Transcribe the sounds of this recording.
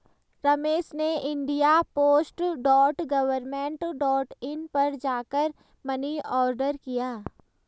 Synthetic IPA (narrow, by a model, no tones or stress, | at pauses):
ɾɐmeːʃneʔɪ̃ɳɖijapoːsʈɖɔːʈɡɐʋəɾmẽːɳʈɖɔːʈɪnpɐɾd͡ʒaːkəɾ | mɐniɔːɾɖəɾkijaː